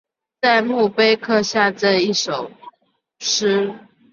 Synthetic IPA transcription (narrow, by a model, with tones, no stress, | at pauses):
t͡sa˥˧ɪmu˥˨pe˦ɪkʰɤ˥˧ɕja˥˨ʈ͡ʂə˥˧i˥˩ʂo˨˩ʊ | ʂ̩˥